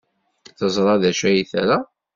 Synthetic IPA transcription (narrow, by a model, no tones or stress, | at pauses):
θəzˤɾˤɑðæʃæjiθæɾa